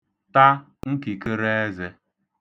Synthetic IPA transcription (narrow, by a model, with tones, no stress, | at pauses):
ta˦ | ŋ̩˦ki˨ke˦ɾe˦e˦ze˦